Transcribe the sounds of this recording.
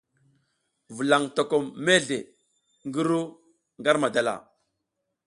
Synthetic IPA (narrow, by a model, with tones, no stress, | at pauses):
vu˨la˨ŋto˨ko˨mːe˦ɮe˨ | ŋɡə˦ɾu˦ | ŋɡa˦ɾma˨da˨la̰˨